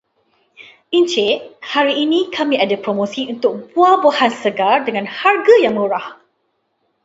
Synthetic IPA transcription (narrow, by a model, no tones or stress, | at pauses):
int͡ʃeʔhaɾiːnĩkʰamĩadapɾomõsiunt̪ʊk̚buabohansəɡardəŋãnharɡajaŋmuɾah